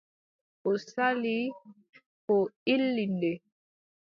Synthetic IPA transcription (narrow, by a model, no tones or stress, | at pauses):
ʔɔsali | kɔilːindɛ